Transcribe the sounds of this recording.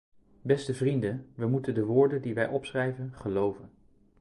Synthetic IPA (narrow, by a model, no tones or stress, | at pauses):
bɛstəvrindəʋəmutəndəʋʊːɹdəndiʋɛjʔɔpsrɛjvənχəlowvən